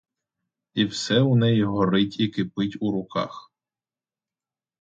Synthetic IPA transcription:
iwsɛʊnɛjiɦɔɾɪtʲikɪpɪtʲuɾʊkɑ̰x

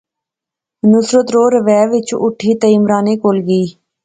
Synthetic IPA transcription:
nʊsɾət̪ɾoːɾəʋɛːʋɪt͡ʃʊ̰ʈʰiːt̪əɪmɾaːneːkoːlɡiː

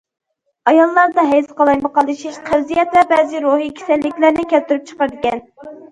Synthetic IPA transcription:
ɑjɑlˠːɑɾd̪ɑɦɛjsqɑlˠɑjmɑqʰɑlˠɨʃiʃqʰəɾzijɛt̪lɛɾbɛzɪɾoɦikʲʰe̥sɛlːɪkʲlæɾnɪkʲɛlt̪ːyɾyp̚t͡ʃʰə̥qəɾd̪ɪkʲɛn

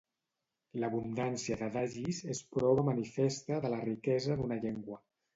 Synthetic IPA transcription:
ləβund̪ansiəðəðaʒizespɾɔβəmənifest̪əðələrikɛzəðunəʎeŋɡwə

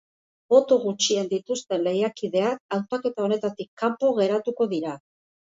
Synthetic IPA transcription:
bo̞t̪o̞ɣut͡ʃiend̪it̪ust̪e̞nle̞jakiðe̞akawt̪ake̞t̪ao̞ne̞t̪at̪ikʰːampoɣe̞ɾat̪uko̞ðiɾa

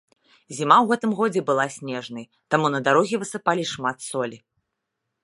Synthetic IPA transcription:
zʲimawɣɛt̪ɨmɣɔd͡zʲɛbɨlˠasʲnʲɛʐnɐj | t̪amunɐd̪aɾɔɣʲɛvɨsɨpalʲiʂmat̪sɔlʲi

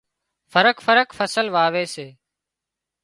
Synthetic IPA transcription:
fʰəɾəkfəɾəkfəsəlʋaːʋeːseː

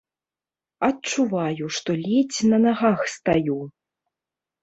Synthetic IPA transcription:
ɐtt͡ʂuvajuʂt̪ɔlʲɛt͡sʲnɐnaɣaxst̪aju

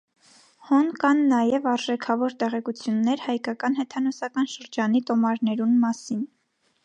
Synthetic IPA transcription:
hɔnkɑnːɑjɛvɑɾʒɛkʰɑvɔɾt̪ɛʁɛkut͡sʰjunːɛɾhɑjkɑkɑn̪hɛt̪ʰɑnɔsɑkɑnʃəɾd͡ʒɑnit̪ɔmɑɾnɛɾunmɑsin

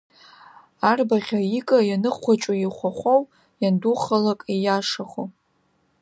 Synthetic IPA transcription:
arbaʁʲaikʼajanɨχʷat͡ʃʷʼojiχʷaχʷow | janduχalakʼijaʂaχo

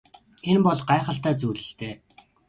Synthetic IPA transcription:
enpɔɮɢaːχə̆ɬt̪æːt͡suːɮɘ̆ɬt̪eː

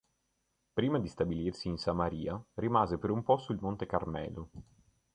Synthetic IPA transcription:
pɾiːmad̪ist̪abilirsiːnsamaɾiːarimaːzepeɾumpɔsuilmont̪ekarmɛ̰ːlu

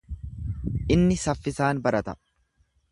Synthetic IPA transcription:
ʔɪnːɪsɐfːɪsaːnbɐɾɐt̪ɐ

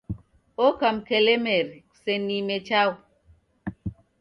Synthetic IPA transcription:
okamkelemeɾ | senimet͡ʃaw

